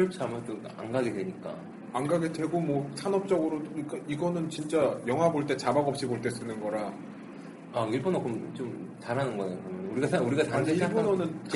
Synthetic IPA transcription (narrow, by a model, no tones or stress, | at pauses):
p̚t͡ɕʰamɯt͈o | a̰ŋɡaɡedwe̞ɲik͈a̰ | aŋɡaɡedwe̞ɡomwʌsʰanʌp̚t͡ɕ͈ʌɡɯɾoɲik͈aiɡʌnɯnt͡ɕint͡ɕ͈ajʌŋɦwaboɭt͈e̞t͡ɕabaɡʌp̚ɕ͈iboɭt͈e̞s͈ɯnɯnɡʌɾa | aiɭpʰonok͈omt͡ɕomt͡ɕaɾɦanɯnɡʌjokɯnɯnuɾiɡauɾiɡataeiapʰonʌnɯnt͡ɕ